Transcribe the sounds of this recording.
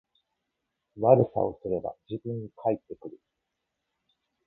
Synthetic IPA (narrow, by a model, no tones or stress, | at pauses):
βaɾɯ̟sa̰o̞sɨɾe̞ba̰d͡ʑɨbɯ̃ɲ̟ːikʰait̪ːe̞kɯ̟ɾɯ̟